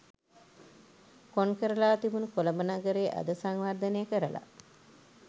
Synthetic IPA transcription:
konkəɾəlaːt̪ibunəkoləmənaɡəɾeːʔa̰d̪əsaŋʋard̪ənejəkəɾəla̰

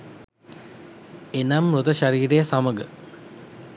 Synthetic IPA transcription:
enamɾut̪əʃaɾiːɾejəsaməɡə

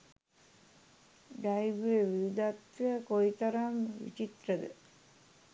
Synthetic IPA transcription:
ɖajʋeʋiʋid̪at̪ʋəkoit̪ɐɾamʋḭt͡ʃit̪ɾəd̪ə

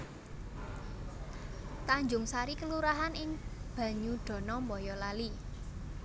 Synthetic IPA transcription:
t̪aɲd͡ʒʊŋsaɾikəluɾaɦanɪŋb̥ä̤ɲuɖ̪̥ɔ̤nɔmbɔjɔlali

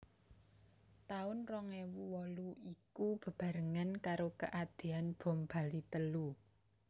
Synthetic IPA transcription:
t̪aʊnrɔŋewuwɔluikub̥ə̤b̥a̤ɾəŋankaɾokə̰ʔad̪̥e̤anb̥ɔ̤mb̥a̤lit̪əlu

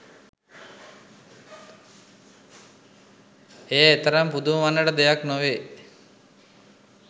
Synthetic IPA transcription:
ejaet̪əɾampud̪uʋanːəʈəd̪ejaknoʋe

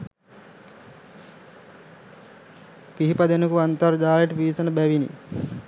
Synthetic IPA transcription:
kiɦipɐd̪enəkuʋant̪ɐɾd͡ʒaːleʈəpiːsɐnəbæʋinḭ

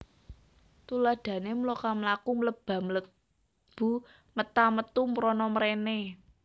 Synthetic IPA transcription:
t̪ulad̥ä̤nemlokaməlakumələb̥a̤mələk̚ | b̥ṳ | mət̪amət̪umɾɔnɔməɾene

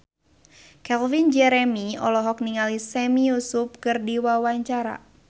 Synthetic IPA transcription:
kɛlvind͡ʒɛɾɛmiɔ̰lɔɦɔk̚niŋalisɛmijusup̚kɨrdiwawaɲt͡ʃaɾa̰

